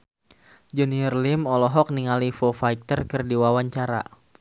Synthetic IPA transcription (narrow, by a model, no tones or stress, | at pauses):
d͡ʒənirlimɔlɔɦɔk̚niŋalifofajk̚t̪ərkɨrdiwawaɲt͡ʃaɾa̰